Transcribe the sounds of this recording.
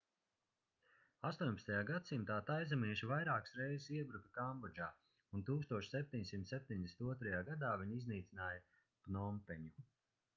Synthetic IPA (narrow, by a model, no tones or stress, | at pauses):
ast̪uɔɲʲpḁt̪t̪ajaːɡat̪simt̪aːt̪ajzamiɛʃivajɾaːksɾɛjzisiɛbɾukḁkambɔɾd͡ʒaː | unt̪uːkst̪uɔʃsep̚ʲt̪iɲsimt̪sep̚ʲt̪ʲiɲd̪ʲesʲnt̪uɔt̪ɾajaːɡad̪aːviɲizniːt̪sinaːjɐ | pnɔmpɛɲu